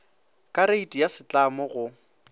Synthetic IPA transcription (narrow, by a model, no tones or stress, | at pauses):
kʼaɾeitʼijasɪt͡ɬʼamɔɣʊ